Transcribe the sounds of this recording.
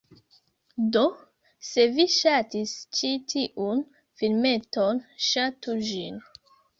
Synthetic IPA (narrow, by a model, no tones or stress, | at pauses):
do | se̞viʃatist͡ʃitʰiʔun | filme̞tonʃatud͡ʒin